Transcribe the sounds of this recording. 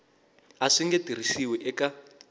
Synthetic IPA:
aʂiŋɡetir̤isiwɛʔɛka

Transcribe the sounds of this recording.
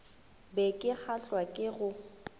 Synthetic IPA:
bɛkʼɪk͡xʰaɬwakʼɪɣʊ

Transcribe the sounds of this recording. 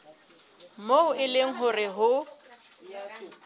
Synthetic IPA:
moʊɪleŋ̩ɦʊrɪɦʊ

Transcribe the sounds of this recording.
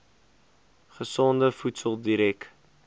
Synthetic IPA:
χəsɔndəfutsəlˠdiɾɛk

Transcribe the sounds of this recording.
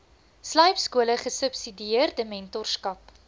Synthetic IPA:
slɐjpskuələχəsəpsidiiərdəmɛntɔrskɐp

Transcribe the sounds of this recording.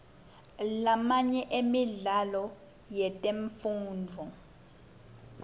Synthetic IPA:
lamaɲɛʔemiɮalɔ | jɛtʼeɱfuːnd͡vʱɔ

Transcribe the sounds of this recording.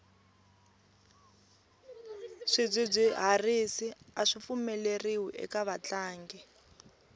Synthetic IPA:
ʂib͡ʐʷib͡ʐʷiɦarisiaʂifumɛleriwuʔɛ̰kaβat͡ɬaːŋɡɛ

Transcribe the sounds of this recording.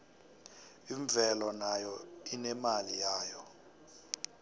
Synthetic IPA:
iɱb̪vʱɛlɔnajɔinɛmalijaːjɔ

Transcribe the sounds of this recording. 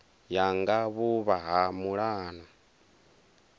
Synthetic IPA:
jaŋɡaβuβaɦamuɺaːna

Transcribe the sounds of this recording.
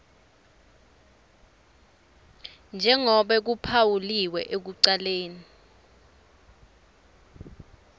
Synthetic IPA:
nd͡ʒʱɛŋɔɓɛk̬upʰawuliwɛʔek̬uǀaleːni

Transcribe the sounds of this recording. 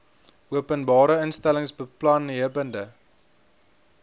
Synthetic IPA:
ʔuəpənbɑːɾəənstæləŋsbəplɐnɦiəvəndə

